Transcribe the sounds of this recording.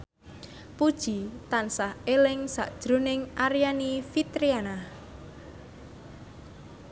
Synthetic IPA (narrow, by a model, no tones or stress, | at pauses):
pud̥ʒ̥it̪ansahelɪŋsa̰ʔd̥ʒ̥ɾonɪŋʔaɾijanifit̪ɾianah